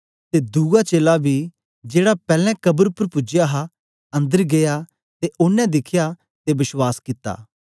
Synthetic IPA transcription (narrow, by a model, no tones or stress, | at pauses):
t̪eːd̪uːɡat͡ʃeːlabʱiː | d͡ʒeːɽapɛːlɛ̃kɐbəɾpəɾpʊd͡ʒjaɦa | ɐ̃nd̪əɾɡeja | t̪eʔʊnːɛ̃d̪ɪkʰja | t̪ebɪʃwaːskɪt̪ːa̰ː